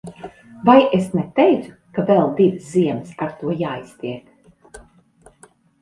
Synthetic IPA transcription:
vajesnɛt̪ɛjt̪su̥ | kavɛlˠd̪ivsziɛmsaɾt̪uɔjaːist̪iɛk̪

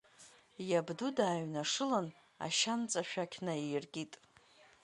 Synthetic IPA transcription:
jabdudaːɥnaʂɨlan | a̰ʃant͡sʼaʃᶣakʲʰnaijrɡʲitʼ

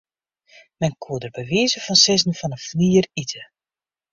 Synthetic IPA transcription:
mɛnkʰuədərbəʋiːzəfɔnsɛznəfɔnəfniːritʰə

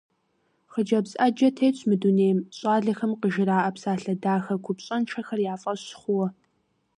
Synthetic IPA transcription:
χəd͡ʒɐbsʼɐd͡ʒɐtʰeːt͡ɕʷʰmɨduneːmɕʼaːɮɐxɐmqəʒɪɾaːʔɐpsaːɬɐdaːxɐkʷʰʊpɕʼɐnʈ͡ʂʰɐxɐrjaːfʼɐɕχʷʊwɔ

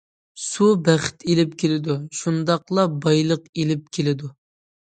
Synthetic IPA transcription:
subæχɪ̥t̪ʰelɪp̚kʲʰelɪd̪uʃund̪ɑqlˠɑbɑjlˠəqelɪp̚kʲʰelɪd̪u

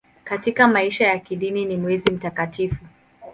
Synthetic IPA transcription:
katikamaiʃajakiɗininimwɛzim̩takatifu

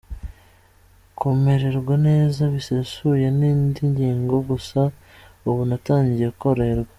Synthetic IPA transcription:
kʰome̞ɾe̞ɾɡwane̞ːzaβisesujeniːndiɲɟiːŋɡo̞ɡusa | uβunataːɲɟijekuko̞ɾeɾɡwa

